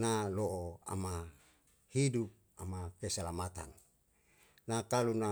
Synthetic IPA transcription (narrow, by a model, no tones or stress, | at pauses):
naloʔoa̰ma | hidup̚ | amakesalamat̪an | nakaluna